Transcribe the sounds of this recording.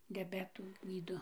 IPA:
dʲɛˈbʲæːtuː ˈɡʲiːdoː

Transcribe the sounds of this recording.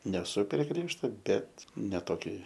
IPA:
nʲɛˈsʊ pʲrʲiɛ ˈɡrʲiɛʃtoː bʲɛt nʲɛ toːˈkʲoːj

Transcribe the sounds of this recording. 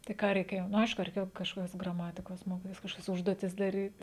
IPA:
tɐɪ ˈkɑː rʲɛɪˈkʲeːjoː nʊ ˈɐɪʃkʊ rʲɛɪˈkʲeːjoː kɐʃˈkoːkʲɛs ɡrɐˈmɑːtʲɪkoːs ˈmoːkʲɪtʲɪs kɐʃˈkoːkʲɛs ˈʊʒduɔtʲɪs dɐˈrʲiːt

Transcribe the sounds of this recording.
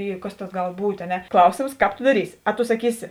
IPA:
ˈiː kɐs tɐs ˈɡɐlˠ ˈbuːtʲ ɐ ˈnʲɛ ˈklˠɐʊsʲeːms ˈkɑːp toː dɐˈrʲiːsʲɪ ɐ toː sɐˈkʲiːsʲɪ

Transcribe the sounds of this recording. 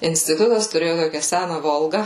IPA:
ɪnʲsʲtʲɪˈtʊtɐs tʊˈrʲeːjʊ ˈtoːkʲɛ ˈsʲænɐ ˈʋoːlˠɡɐ

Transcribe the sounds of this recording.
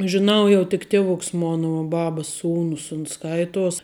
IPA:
ʒʲɪˈnɐʊ jɛʊ tʲɪk ˈtʲiɛʋʊks ˈmoːnɐ ʋuɔ ˈbɑːbəs ˈsuːnʊs ʊns ˈskɐɪtuɔs

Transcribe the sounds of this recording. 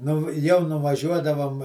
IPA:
ˈnʊ jɛʊ nʊʋɐˈʒʲuɔdɐʋoːm

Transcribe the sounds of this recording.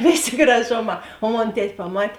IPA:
ˈʋʲeːˌsʲeː ɡrɐˈʒoːˌmɑː oː ˈmoːn ˈtʲɛtʲ pɐˈmɐtʲ

